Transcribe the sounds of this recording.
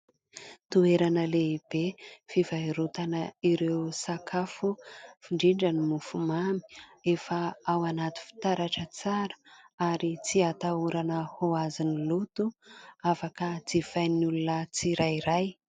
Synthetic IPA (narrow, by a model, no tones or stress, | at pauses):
t̪ueɾanəleib̥efivajɾut̪anəiɾewsakʰafufiɳɖ͡ʐiɳɖ͡ʐanimufumami̥efəawanat̪i̥fi̥t̪aɾaʈ͡ʂət͡saɾə̥aɾit͡siat̪auɾanəhoazinilut̪uafakəd͡zifajnulunət͡siɾajiɾaj